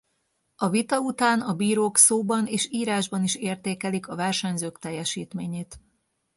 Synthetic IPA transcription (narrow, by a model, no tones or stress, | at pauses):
ɒvit̪ɒut̪aːnɒbiːɾoːksoːbɒneːʃiːɾaːʒbɒniʃeːrt̪eːkɛlikɒvɛrʃɒɲzøːkt̪ɛjːɛʃiːt̪meːɲeːt̪